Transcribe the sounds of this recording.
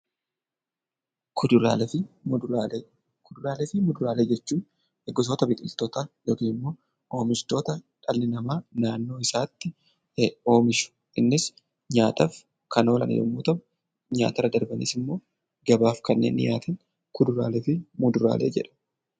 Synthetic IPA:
kʊd̪ɾa | kʊd̪ʊɾaːlefɪmʊd̪ʊɾaːleːd͡ʒɛt͡ʃːuːn | ɛɡɔs̬oːt̪ɐbɪk̪ʼɪlt̪oːt̪aːjoːkiːnmːo̞ː | ʔo̞ːmɪʃt̪o̞ːt̪ɐᶑɐlːɪnɐmaːnaːnːo̞ːɪsaːt̪ːɪ | o̞ːmɪʃʊ̥ʔɪnːɪs | ɲaːt̪ɐf | kɐno̞ːlɐ̰nʔɐ̰jo̰mːuːt̪ɐm | ɲa̰ːt̪ɐɾɐd̪ɐɾbɐnḭːsɪmːo̞ː | ɡɐbaːfkɐnːḛːnːɪ̰ja̰ːt̪ʰɐn | kʊd̪ʊɾa̰ːlefɪmʊd̪ʊɾa̰ːlʔe̞̰ːd͡ʒɛᶑɐ̥

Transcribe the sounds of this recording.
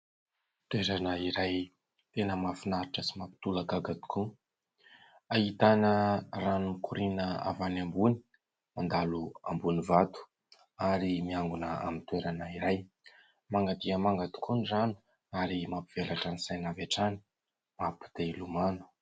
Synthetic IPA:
t̪weɾanəiɾaj | t̪enəmafinaɾiʈ͡ʂəsimapi̥t̪uləɡaɡat̪u̥kʰu | ait̪anəranumikuɾinəa̰vanambuni̥ | mand̪alua̰mbunivat̪u̥ | aɾimiaŋɡunəa̰mint̪weɾanəiɾaj | maŋɡad̪iəmaŋɡat̪u̥kunizanu̥ | aɾimapiv̥elaʈ͡ʂanisajnavaʈ͡ʂani̥ | mapi̥d̪̥elumanu̥

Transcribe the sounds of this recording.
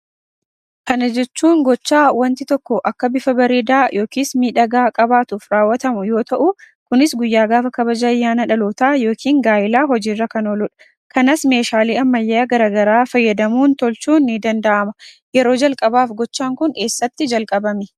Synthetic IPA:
kɐnɐd͡ʒɛt͡ʃːuːŋɡɔt͡ʃːaːwɐnt̪ɪt̪ɔkːɔʔɐkːɐbɪfɐbɐɾeːd̪aːjʔo̞ːkiːsmiːᶑɐɡaːkʼɐbaːt̪uːfɾaːwːɐt̪ɐmʊjo̞ːt̪ɐʔʊ | kʊnɪsɡʊjːaːɡaːfɐkɐbɐd͡ʒaːjːaːnɐᶑɐluːt̪aːjoːkʰiːŋɡaːjɪlaːɦɔd͡ʒiːrːɐkɐnoːlʊᶑɐ̥ | kɐnɐsme̞ːʃaːliːɐmːɐjːaːɡɐɾaːɡɐɾaːfɐjːɐd̪ɐmuːnt̪ɔlt͡ʃuːnːid̪ɐnd̪ɐʔɐmɐ | jɛɾo̞ːd͡ʒɐlkʼɐbaːfɡɔt͡ʃːaːŋkʊnke̞ːsːɐt̪ːɪd͡ʒɐlkʼɐbɐmɛ

